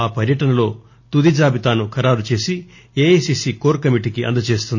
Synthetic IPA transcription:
aːpɐɾjɐʈɐnɐlo̞ː | t̪ud̪id͡ʒaːbit̪aːnukʰɐɾaːɾut͡ʃe̞ːsi | eːesiːsikoːɾkɐmiʈikiʔɐ̰nd̪ɐt͡ʃe̞ːst̪und̪i

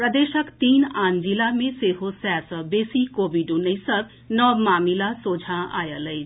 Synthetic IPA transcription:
prəd̪esʌkt̪iːnand͡zilameseɦosasʌbesikobiɖũnəjsʌb | nʌmamilasod͡zʱãa̰jələj

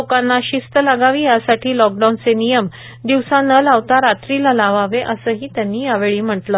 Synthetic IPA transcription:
okanːaɕist̪əlaɡaʋiːjasaʈʰiːlɔk̚ɖawnt͡senijəm | d̪iʋsãnəlaʋt̪aɾat̪ɾilalaʋaʋeʔəsəːɦiːt̪janːiːjaʋeɭiːm̤əʈlə

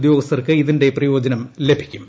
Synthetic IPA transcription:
d̪jo̞ːɡɐst̪ɐrkɨiðinde̞prɐjo̞ːd͡ʑɐnɐmle̞bʱi̥kʲːum

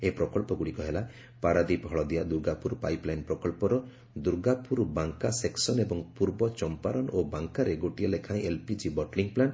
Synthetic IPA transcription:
epɾɔkɔlpɔɡuɽikɔɦela | paɾad̪ibʱɔɭɔd̪ijad̪uɾɡapuɾpajplajnpɾɔkɔlpɔɾɔ | d̪uɾɡapuɾbaŋkaseksɔnebɔŋpuɾbɔt͡ʃɔmpaɾɔnobaŋkaɾeɡoʈiɔlekʰaĩʔelpid͡ʒibɔʈliŋplan

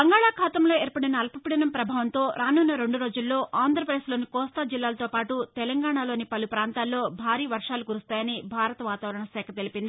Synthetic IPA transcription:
bɐŋɡaːɭaːkʰaːt̪ɐmlo̞ːeːɾpɐɽinɐːlpɐpiɽɐnɐmpɾɐbʱaːʋɐnt̪o̞ːɾaːnuːnːɐɾe̞ɳɖuɾo̞ːd͡ʒulːo̞ːʔaːnd̪ʱɾɐpɾɐd̪eːslo̞ːnikɔːst̪aːd͡ʒilːaːlɐt̪o̞ːpaːʈut̪ɛlɐŋɡaːɳaːlo̞ːnipɐlupɾaːnt̪aːlːo̞ːbʱaːɾiːʋɐɾʂaːlukuɾust̪aːjɐnibʱaːɾɐt̪ɐʋaːt̪aːʋɐɾɐɳɐsɛːkʰɐt̪e̞lipind̪ii

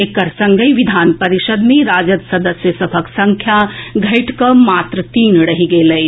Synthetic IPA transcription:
ekɐɾsɐ̃ŋɡəjʋid̪ʱaːnpɐɾiʃəd̪mẽɾaːd͡ʒət̪sɐd̪əsjəsɐbʱəksɐ̃ŋkʰjaɡʱɐɪʈʰkɐmaːt̪ɾət̪iːnɽɐɦiɡeːlɐj

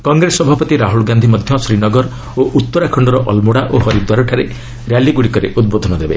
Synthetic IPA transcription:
kɔŋɡɾesɔbʱapɔt̪iɾaɦuɭɡand̪ʱimɔd̪ʱjɔsɾinɔɡɔɾ | oʔut̪ːɔɾakʰɔɳɖɔɾɔʔɔlmuɽaʔoɦɔɾid̪waɾɔʈʰaɾe | ɾjaliɡuɽikɔɾḛʔud̪̚bod̪ʱɔnɔd̪ebḛ

